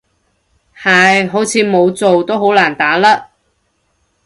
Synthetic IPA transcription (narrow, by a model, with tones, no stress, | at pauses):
hɐ˨˩jɦo˨˥wt͡sʰiː˨˧˥mo˨˧wt͡so˨wt̪o˥wɦo˨˥wlaː˨˩nt̪aː˨˥laː˥